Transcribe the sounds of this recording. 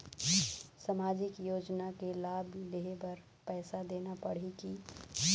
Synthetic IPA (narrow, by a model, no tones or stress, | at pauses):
samaːd͡ʒɪkjoːd͡ʒnakelaːbleɦebɐɾ | pɛːsad̪eːnapɐɽ̤iki